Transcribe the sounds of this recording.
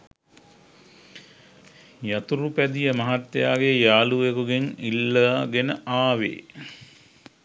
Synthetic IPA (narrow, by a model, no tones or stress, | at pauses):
jat̪uɾupæd̪ijəmɐɦat̪jaːɡejaːluʋekuɡeŋilːəaɡenəʔaːʋḛː